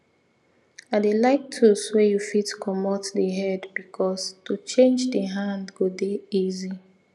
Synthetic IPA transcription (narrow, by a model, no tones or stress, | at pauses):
aɪdelaɪk̚tʰuswejufitkʰɔmɔtdəɦɛdbikʰɔstʰut͡ʃẽnd͡ʒdəɦãndɡodeizi